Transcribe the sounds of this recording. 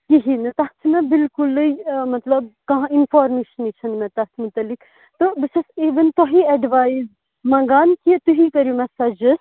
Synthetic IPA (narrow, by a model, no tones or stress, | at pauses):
kiɦinɐt̪ɐt̪ʰmɛ̃bɪlkulimɐt̪lɐb̚kɐɦãinfaːɾmeːʃneːʃɐnmɛ̃t̪ɐht̪ʰmut̪ɐlːik | t̪obɨt͡ʃʰɐsiːʋɐnt̪oɦiɐɖʋaːjz | mɐ̃ŋɡaːnkit̪uɦikɐɾjumɛsɐd͡ʒɐs